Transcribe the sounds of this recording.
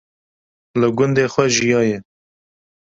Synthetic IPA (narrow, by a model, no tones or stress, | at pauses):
ləɡʊnd̪eːxʷwɛʒijɑːjɛ